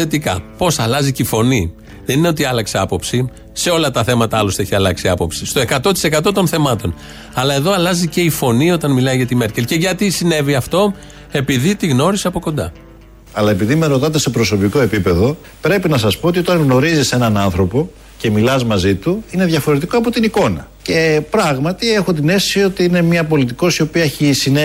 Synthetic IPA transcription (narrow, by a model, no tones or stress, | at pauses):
e̞t̪ikɐ̰po̞sɐlɐzicifo̞ni | ðe̞nine̞o̞t̪iɐlɐkse̞ɐpo̞psi | se̞o̞lɐt̪ɐθe̞mɐt̪ɐɐloste̞çiɐlɐksiɐpo̞psist̪oe̞kɐt̪o̞t̪i̥se̞kɐt̪o̞t̪o̞nθe̞mɐt̪o̞n | ɐlɐe̞ðo̞ɐlɐzice̞ifo̞nio̞t̪ɐnmilɐiʝɐt̪ime̞ɾcelce̞ʝɐt̪isine̞viɐft̪o̞ | e̞piðit̪iɣno̞ɾisɐpo̞ko̞nd̪ɐ̰ | ɐlɐe̞piðimeɾo̞t̪ɐt̪̬e̞se̞pɾo̞so̞piko̞e̞pipe̞ðo̞ | pɾe̞pinɐsɐspo̞ot̪io̞t̪ɐŋɣno̞ɾizise̞nɐnɐnθɾo̞po̞ | ce̞milɐzmɐzit̪uine̞ðʝɐfo̞ɾe̞t̪ikoɐpo̞t̪iniko̞nɐce̞pɾɐɣmɐt̪ie̞xo̞t̪̬ine̞fssio̞t̪iine̞mɐpo̞lit̪iko̞sio̞piɐeçisine